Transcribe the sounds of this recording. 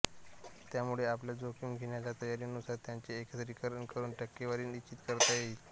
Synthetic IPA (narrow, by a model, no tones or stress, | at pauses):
t̪jamuɭeapljad͡zokimɡʱiɳjalat̪əjaɾiːnusaɾt̪jaɲt͡ɕeːkət͡sɾikəɾəɳkəɾuːnʈəkːeʋaɾiːnit͡ɕːit̪kəɾt̪ajaɦit̪